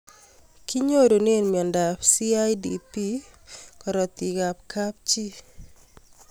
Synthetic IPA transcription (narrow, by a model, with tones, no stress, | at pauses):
ki˦ɲo˦ɾo˨ne˦˨nmi˨ɔ˨nda˨psi˦a˦jdḭpi˦kɔ˨ɾɔ˨t̪i˨ɡa˨pkʰa˦p̚t͡ʃi˦